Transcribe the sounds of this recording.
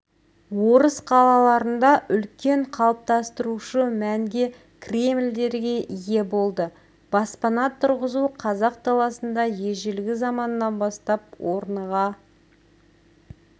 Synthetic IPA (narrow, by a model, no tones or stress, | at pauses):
wo̞ɾəsqʰɑlˠɑlˠɑɾənd̪ɑʔʏlkʲe̞ɴqʰɑlˠəp̚t̪ɑst̪əɾuʃəmæŋɡʲe̞ | kʲʰrʲe̞mld̪e̞ɾɡʲe̞ʔije̞bo̞lˠd̪ə | b̥ɑspɑnɑt̪ʰʊɾʁəzuqʰɑzɑq̚t̪ʰɑlˠɑsənd̪ɑje̞ʒɪlɡʲɪzɑmɑnəːɑnbɑst̪ɑp̚wo̞ɾənʁɑ